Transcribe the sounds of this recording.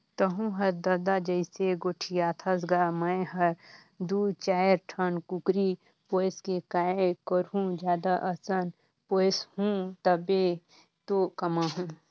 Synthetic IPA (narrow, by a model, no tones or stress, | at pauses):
t̪əɦũɦɐɾd̪ɐd̪ad͡ʒəɪseɡoːʈʰijaːt̪ʰasɡamə̃jɦɐɾ | d̪ut͡ʃaːɾʈʰənkukɾi | poːjskekaːekəɾɦũd͡ʒjaːd̪aʔɐsən | poːshũt̪ɐbe | t̪okɐmaɦũ